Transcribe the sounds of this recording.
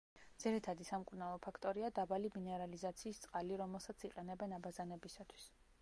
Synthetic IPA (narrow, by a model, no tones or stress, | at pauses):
d̪z̥iɾɛt̪ʰad̪isamkʼuɾnalˠɔpʰakʰt̪ʼɔɾiad̪abaliminɛɾalizat̪sʰiːst̪sʼqʼaliɾɔmɛlˠsat̪siqʼɛnɛbɛnabazanɛbisat̪ʰwi̥s